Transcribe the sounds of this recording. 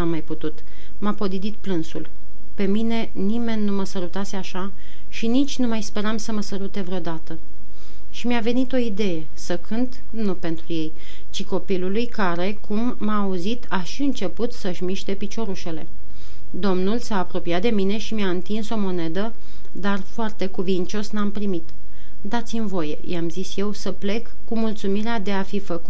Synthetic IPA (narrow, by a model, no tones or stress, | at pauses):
amːajput̪ut̪ | mapo̞d̪id̪it̪plɨnsul | pe̞mine̞ | nime̞nʲːuməsəɾut̪ase̞aʃa | ʃinit͡ʃʲnumajspe̞ɾamsəməsəɾut̪e̞vɾeo̞d̪at̪ə | ʃimiave̞nit̪o̞id̪e̞je̞ | səkʰɨnt̪ | nupe̞nt̪ɾuje̞j | t͡ʃiko̞pilulujkaɾe̞kʰumːaːuzit̪ʰaʃiɨnt͡ʃe̞put̪səʃmiʃt̪e̞pit͡ʃo̞ɾuʃe̞le̞̰ | d̪o̞mnulsaːpɾo̞piat̪̚d̪e̞mine̞ʃimiaɨnt̪inso̞mo̞ne̞d̪ə | d̪arfoart̪e̞kuvint͡ʃo̞snampɾimit̪ | d̪at̪sʲimvo̞je̞̰jamzisje̞wsəple̞kːumult̪sumiɾead̪e̞afifəkut̪